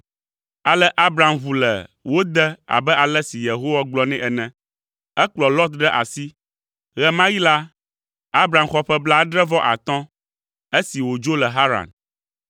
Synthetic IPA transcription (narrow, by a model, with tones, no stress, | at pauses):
a˨lɛ˦ʔa˦bɾa˨mvu˨lɛ̰˨wo˦d̪ɛ˦a̰˨bɛ˦ʔa˨lɛ˦si˨je˨ɦo˦wa˦ɡ͡blɔ˦nɛ̃˦ʔɛ˨nɛ̃˦ | ɛ˦k͡plɔ˨lɔ˦t̪̚ɖɛ˦ʔa̰˨si˦ | ɣɛ˨mã˦ji˦la˦ | a˦bɾa˨mxɔ˦ɸɛ˦bla˦ɖɾɛ˦vɔ˦ʔa̰˨t̪ɔ̃˦ | e˦si˨wo˨d͡ʒo˦lɛ˨ɦa˦ɾa̰˨n